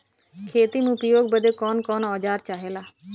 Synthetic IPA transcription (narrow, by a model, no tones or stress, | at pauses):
kʰeːt̪imʊpjoːɡ̚bəd̪eːkɔːnkɔːnɔːd͡ʒaːɾt͡ʃaːɦeːlaː